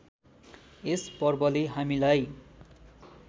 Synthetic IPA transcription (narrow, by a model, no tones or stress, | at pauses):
espʌrbʌleɦamilaj